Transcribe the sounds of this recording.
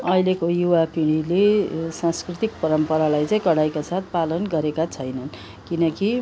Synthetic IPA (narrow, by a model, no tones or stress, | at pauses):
ʌilekojuwapiɽ̃ilesãnskrit̪ik̚pʌɾʌmpʌɾalajt͡saĩkʌɽajkasat̪̚ʰpalʌnɡʌɾekat͡sʰʌjnʌn | kinʌki